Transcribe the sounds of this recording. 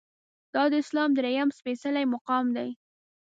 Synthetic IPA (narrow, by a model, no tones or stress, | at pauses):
d̪̥ɑd̪əɪslɑmd̪ɾejamspesalajmʊqɑmd̪aj